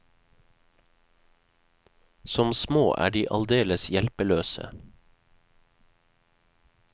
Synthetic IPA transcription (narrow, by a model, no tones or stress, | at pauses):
sɔmsmoːʔæ̰ːɖiːʔɑld̪eːləsjɛlpəløːsə̰